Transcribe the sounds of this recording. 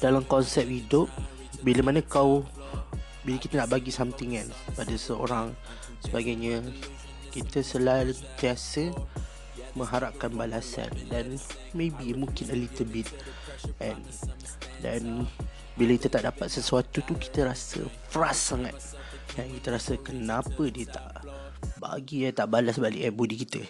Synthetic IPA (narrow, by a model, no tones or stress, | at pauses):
d̥alamkɔnsɛp̚hidʊp̚ | biləmanəkaw | bilakit̪ənaʔbaɡisamt̪ɪŋa̰n | padasəo̰ɾaŋ | səbaɡajɲa | kit̪əsəlant̪iasə | mə̃ŋɦaɾap̚kanbalasa̰ndan | mebimũŋkɪnəlit̪əlbit̪̚ | ʔɛ̃n | da̰n | bilakit̪ət̪aʔdapat̪̚səsuat̪ut̪uki̥t̪əɾasə̰fəɾasːaŋa̰t̪̚ | dankit̪əɾasəkənãpədiət̪a̰ʔ | ba̰ɡiat̪aʔbalasbalɪ̰k̚abudikit̪ə